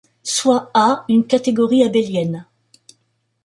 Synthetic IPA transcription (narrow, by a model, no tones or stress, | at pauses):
swaaynkat̪eɡɔʁiabeljɛn